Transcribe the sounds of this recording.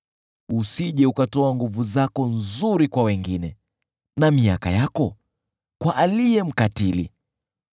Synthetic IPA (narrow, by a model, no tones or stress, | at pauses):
usiʄɛukatɔaŋɡuvuzakɔnzuɾikwawɛŋɡinɛ | namiaka̰jakɔ | kwaʔalijɛm̩katilḭ